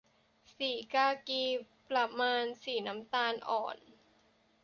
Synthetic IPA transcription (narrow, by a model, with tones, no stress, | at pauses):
siː˨˩kaː˧kiː˧ | pla˧maː˧nsiː˨˩na˦˥mt̪aː˧nʔɔ̰ː˨˩n